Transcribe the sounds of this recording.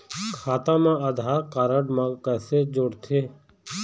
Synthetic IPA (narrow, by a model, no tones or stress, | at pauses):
kʰaːt̪ãːmãːəd̪ʱaːkaːɾəɖmãːɡkəseːd͡ʒʊɽt̪ʰeː